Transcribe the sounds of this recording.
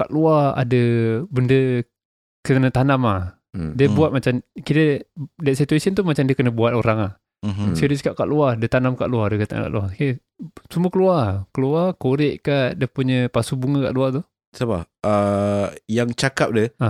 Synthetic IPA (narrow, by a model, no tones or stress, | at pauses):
kaʔluaa̰dəbəndə | kənət̪anamah | diəbuat̪̚mat͡ʃamkit̪ədɛʔsit̪uesənt̪umat͡ʃamdiəkənəbuat̪̚oɾaŋa | sədəsə̥kap̚ka̰ʔluadət̪anamka̰ʔluaɾdəkət̪a̰ŋka̰ʔluake | sumuəkəluakəluakoɾɪʔkaʔdiəpuɲəpasubuŋəka̰ʔluat̪u | saba̰ə | jaŋt͡ʃakap̚dəa